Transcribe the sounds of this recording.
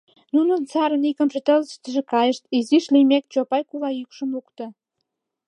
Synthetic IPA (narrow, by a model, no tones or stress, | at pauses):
nunə̆nt͡sɑɾənikəmʒĕt̪ə̆ləʃt̪əʒĕkɑjəʃt̪iziʃlimek̚t͡ɕopɑjkulɑjykʃə̆mukt̪ə̆